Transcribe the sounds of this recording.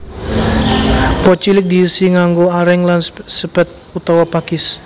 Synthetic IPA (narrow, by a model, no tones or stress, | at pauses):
pɔt͡ʃilɪk̚d̪iusiŋaŋɡoaɾɛŋlansəb̥ət̪̚ut̪ɔwapakɪs